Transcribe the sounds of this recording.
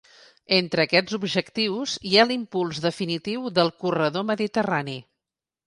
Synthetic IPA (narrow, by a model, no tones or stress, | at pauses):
ent̪ɾəːkɛd͡zubʒəkt̪iwzialimpulˠzðəfinit̪iwðəlˠkurəðoməðit̪ərani